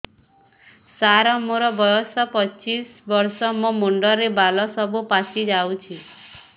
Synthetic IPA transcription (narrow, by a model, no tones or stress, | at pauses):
saɾɔmoɾɔbɔjɔsɔpɔt͡ʃisbɔɾsɔmɔmuɳɖɔɾebalɔsɔbupasʰid͡ʒawt͡ʃʰi